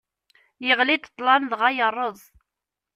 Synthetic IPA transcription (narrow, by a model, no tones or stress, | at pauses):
jəʁlit̪ə̥t̪ˤːlɑnðʁɑjərˤːəðˤ